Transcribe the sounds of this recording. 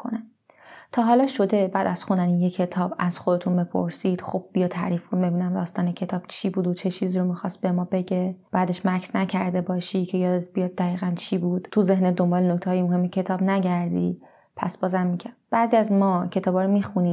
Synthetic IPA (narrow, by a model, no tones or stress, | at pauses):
kʰo̰næm | t̪ʰɒːɦɒːlɒːʃo̞d̪ebæːd̪æz̥xund̪ænijecʰe̞t̪ʰɒːbæz̥xod̪et̪ʰunbepʰo̰ɾsid̪̥xob̚ːijɑːt̪ʰːæ̰ːɾiːfbuːd̪be̞biːnæmd̪ɒːst̪ɒːnecʰe̞t̪ʰɒːb̥t͡ʃʰiːbuːd̪ot͡ʃʰe̞t͡ʃʰiːziːɾomixɒst̪̚be̞mɒːbe̞ɟeb̥æːd̪e̞ʃmæksnæcʰæɾd̪e̞bɒːʃicʰe̞jɒːd̪et̪̚ʰbijɒːd̪̚ːæɣiːɣænt͡ʃʰiːbuːd̪̥t̪ʰuze̞hned̪o̞mbɒːlenokt̪ʰɛhɒːjemoɦemːecʰe̞t̪ʰɒːbnæɟæɾd̪ḭ | pʰæ̰sb̥ɒːzæmːicʰæb̥æziːæzmɒːcʰe̞t̪ʰɒːbɒːɾomixuniː